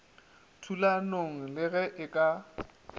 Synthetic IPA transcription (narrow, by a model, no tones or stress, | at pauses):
tʰulanoŋ̩lɪɣɛʔɪkʼa